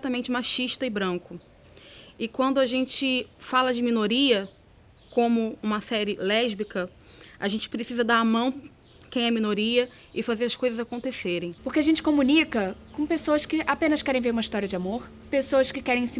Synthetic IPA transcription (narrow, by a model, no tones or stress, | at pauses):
ɛt̪ɐmẽnt͡ʃɪmaʃiʃt̪ɐɪbɾɐ̃ŋkʊ | ɪkwɐ̃nd̪ʊaʒẽnt͡ʃɪfalɐd͡ʒɪmĩnoɾiɐ | kõmʊũmɐsɛɾɪlɛʒbikɐ | aʒẽnt͡ʃɪ̥pɾesizɐd̪aɾɐmɐ̃w̃ | kẽj̃ɛmĩnoɾiɐ | ɪfazeɾɐskojzɐzakõnt̪eseɾẽj̃poxkeaʒẽnt͡ʃɪ̥kõmunikɐkõpesoɐskɪʔapẽnɐskɛɾẽj̃veɾũmɐiʃt̪ɔɾiɐd͡ʒɪamoɾ | pesoɐskɪkɛɾẽj̃sɪ